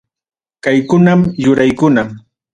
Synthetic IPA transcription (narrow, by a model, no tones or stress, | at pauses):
kajkʊnamjʊɾajkʊna